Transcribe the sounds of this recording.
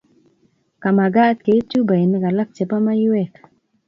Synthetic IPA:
ka˨ma˨ɡa˦t̪̚ke˨˦t͡ʃu˦ba˨i˨nɛ˦ka˨la˦k̚t͡ʃɛ˨pa˦ma˦ju˦ɛ˦k

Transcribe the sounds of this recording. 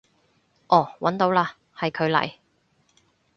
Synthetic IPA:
ʔɔː˨˩wɐ˨˥nt̪o˨˧wlaː˧ | hɐ˨jkʰɵ˨˧ɥlɐ̰˨˩j

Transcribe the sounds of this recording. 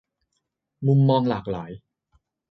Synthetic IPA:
mu˧mːɔː˧ŋlaː˨˩k̚laː˩˦j

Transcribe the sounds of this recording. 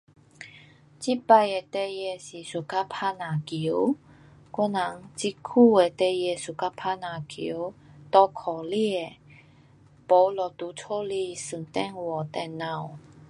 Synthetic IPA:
t͡ɕi˦˥pa˧je˨˧t̪e˧je˧˩ɕi˨˩su˨˩ka˦˥pʰa˧nã˨ki˨˦w | kwɔ˦˥nla˨˦ŋt͡ɕi˧kʰu˥˧˨e˨t̪e˧je˧su˨˩ka˧˥pʰa˧nã˨˩kḭ˨˧˨wt̪ɔ˧kʰɔ˨˩li˧e˨ | po˨˧˦lɔ˨˩t̪u˨˦t͡sʰo˥˦li˧˩sɨ˨˩nt̪ɛ˥˨ŋwɔ˨˩t̪ɛ˧nːã˧˨w

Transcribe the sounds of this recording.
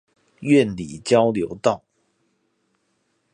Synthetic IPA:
ɥɛ˥˩nli˨˩t͡ɕjɑ˥ʊljo˧˥ʊt̪ɑ˥˩ʊ

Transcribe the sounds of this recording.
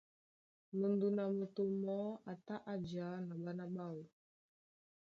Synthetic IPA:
mu˨ndu˨na˨mu˨to˨mɔ˦a˨ta˦ʔa˦d͡ʒa˨˦na˨ɓa˦na˦ɓa˦˨u˨

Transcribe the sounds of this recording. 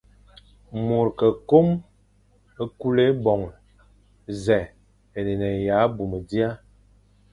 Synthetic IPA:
mu˨ɾkə˨ko˦m | ə˦ku˦le˦bɔ˨ŋ | zɛ˨ | e˨ne˨nɛ˨ja˨˦bu˨mə˨di˦a˦

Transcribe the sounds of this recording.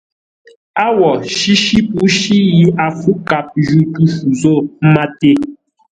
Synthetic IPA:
a˦wɔ˨ʃi˦ʃi˦pu˦ʃi˦ji˦a˨fu˦ka˨p̚ʒu˦tu˦fu˨zo˦˨m̩˦ma˦te˦

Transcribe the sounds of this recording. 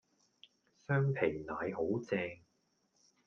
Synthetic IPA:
sœː˥ŋpʰe˨˩naː˨˧jho˨˥wt͡sɛː˧ŋ

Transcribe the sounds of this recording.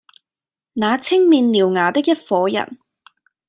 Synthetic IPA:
naː˨˧t͡sʰɪ˥ŋmiː˧nliː˨˩wŋaː˨˩t̪ɪ˥k̚jɐ˥t̚fɔː˨˥jɐ̰˨˩n

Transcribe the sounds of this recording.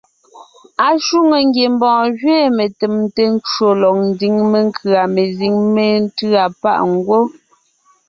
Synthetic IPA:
a˨ʃu˦ŋe˨ŋ˦ɡje˨mbɔ̃ː˨ɣɥɛː˦me˨te˨mte˨n˦t͡ʃo˨lɔ˨k̚n̩˦di˨˦ŋme˨ŋ˦kʰɯ˨a˨me˨zi˨ŋme˦˨n˦tɰa˨pa̰˦ʔŋ˦ɡwo˦

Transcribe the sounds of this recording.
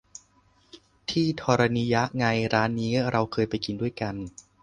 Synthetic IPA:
t̪ʰiː˥˩t̪ʰɔː˧ɾa˧niː˧ja˦˥ʔŋa˧jɾaː˦˥nːiː˦˥ɾa˧wkʰɤː˧jpa˧jki˧ndu˥˩əjka˧n

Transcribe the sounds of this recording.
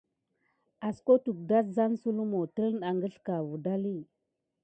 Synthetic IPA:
a˨sko˦tu˨k̚da˦sza˦nsu˦lu˦mo˨tə˦lna˨ŋɡə˦ɬka˨vu˨da˦li˦˨

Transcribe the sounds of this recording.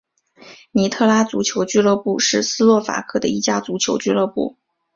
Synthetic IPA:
ni˧˥t̪ʰɤ˥˩la˥t͡su˧˥t͡ɕʰjo˧˥ʊt͡ɕy˥lɤ˥˧pu˥˧ʂɻ̩˥˩sɹ̩˥lwɔ˥˩fa̰˨˩kʰɤ˥˩d̪ə˩i˥˩t͡ɕja˥t͡su˧˥t͡ɕʰjo˧˥ʊt͡ɕy˥lɤ˥˧pu˥˩

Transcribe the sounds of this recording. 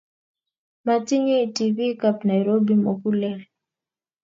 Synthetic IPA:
ma˨ti˦ɲe˦i˨tivi˦ka˦pna˨jɾo˦bi˦mo˨ku˦lɛ˦l

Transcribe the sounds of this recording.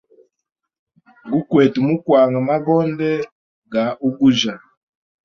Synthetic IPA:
ɡu˦kwɛ˨tu˨mu˦kwa˨ŋɡa˨ma˦bɔ˦ndɛ˦ | ɡa˨ʔu˦ɡu˦ʒa˨

